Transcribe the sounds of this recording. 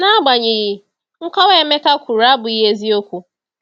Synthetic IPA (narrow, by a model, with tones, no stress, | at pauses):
na˦a˦ɡ͡ba˨ɲɪ˨ji˨ | ŋ̩˦kʷa˦we˦e˦me˦ka˦kʷu˨ɾa˦bʊ˨i˦ɦe˦zi˦o˦kʷu˦